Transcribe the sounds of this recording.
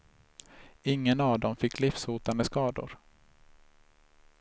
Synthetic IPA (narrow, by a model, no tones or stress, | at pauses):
ɪŋːənavd̪ɔmfɪkːlɪfsuːt̪and̪əskɑːd̪ʊ̰ɾ